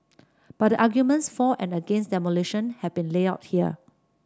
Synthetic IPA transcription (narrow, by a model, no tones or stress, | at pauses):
b̥at̚dəʔaɡjumə̃ntsfɔʔɛ̃nəɡẽnsdɛmoliʃə̃nhɛvbĩnleaʊt̚hiə̰